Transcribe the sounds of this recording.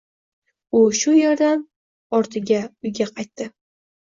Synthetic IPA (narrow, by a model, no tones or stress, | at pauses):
ʊʃʊjɒɾd̪am | ɒɾt̪ʰɪɡʲaʊjɡʲaqʰɑjt̪ːɪ